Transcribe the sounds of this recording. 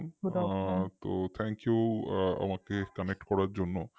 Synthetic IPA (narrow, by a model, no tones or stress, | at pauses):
n | t̪ot̪ʰɛŋkijua̰makekanek̚ʈkɔɾaɾd͡ʑonːo